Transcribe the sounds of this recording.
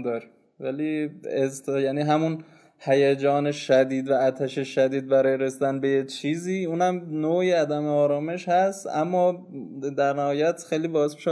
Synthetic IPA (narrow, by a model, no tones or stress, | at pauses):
d̪ɒɾi | væliest̪jæːniːɦæmun | hæjæd͡ʒɒːneʃæd̪iːd̪væːt̪ʰæʃeʃæd̪iːd̪̚bæɾɒːjeɾesid̪ænbe̞jet͡ʃʰiːziːuːnhæmnoːiæd̪æmeɒːɾɒːme̞ʃhæst̪æ̰mːɒː | d̪æɾnæhɒːjæt̪xejliːbɒːzmiʃe